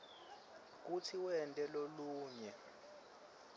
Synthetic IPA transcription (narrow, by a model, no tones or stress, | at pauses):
k̬utʰiwɛntʼɛloluːɲɛ